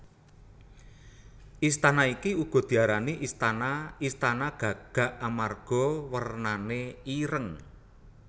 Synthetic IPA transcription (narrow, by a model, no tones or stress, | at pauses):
ʔist̪anaikiuɡ̥ɔ̤d̪̥i̤aɾaniʔist̪anaist̪anaɡ̥ä̤ɡ̥a̤ʔamarɡ̥ɔ̤wərnaneiɾəŋ